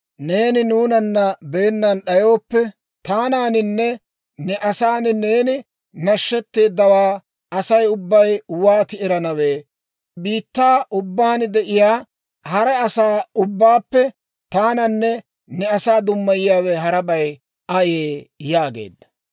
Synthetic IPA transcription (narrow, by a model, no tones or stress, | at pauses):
ne̞ːnɪnuːnɐnːɐbeːnːɐnɗɐjo̞ːpːɛ | t̪aːnaːnɪnːɛ | nɛʔɐsaːnɪne̞ːnɪ | nɐʃːɛt̪ːe̞ːd̪ːɐwaː | ɐsɐjʊbːɐjwaːt̪ɪɪɾɐnɐweː | biːt̪ːaːʔʊbːaːnd̪ɛʔɪjaː | hɐɾɛɐsaːʊbːaːpːɛ | t̪aːnɐnːɛ | nɛɐsaːd̪ʊmːɐjɪjaːwɛɦɐɾɐbɐj | ɐjeːjaːɡḛːd̪ːɐ̥